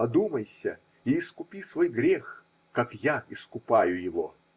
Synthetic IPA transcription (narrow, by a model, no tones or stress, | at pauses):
ɐd̪uməjsʲə | iːskʊpʲisvo̞jɡɾʲex | kakjaɪskʊpajʊjɪvo